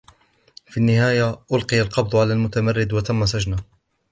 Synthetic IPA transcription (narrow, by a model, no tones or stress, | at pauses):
finːɪhaːjaʔʊlqɨjalqɑb̚d̪ˤʊʕalaːlmʊt̪amarːɪd̪wat̪amːas̬ad͡ʒna